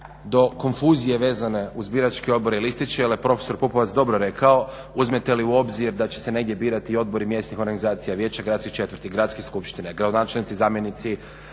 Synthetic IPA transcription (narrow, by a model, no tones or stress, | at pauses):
d̪o̞ko̞nfuːzije̞ʋe̞ːzane̞uzbiɾat͡ʃkio̞d̪̚bo̞ɾilist̪it͡ʃejeljepɾo̞feso̞ɾpupoʋat̪sd̪o̞bɾoɾe̞kʰao̞ | uzmet̪e̞liuo̞bziɾd̪at͡ɕe̞̥seneɡd̪ʲje̞biːɾat̪io̞d̪̚bo̞ɾimje̞st̪nixo̞ɾɡanizaːt̪sijaʋje̞ːt͡ɕaɡɾad̪t̪skit͡ʃe̞t̪ʋəɾt̪iɡɾat̪skeskupʃt̪ineɡɾad̪onaːt͡ʃelnit̪sizaːmje̞nit̪si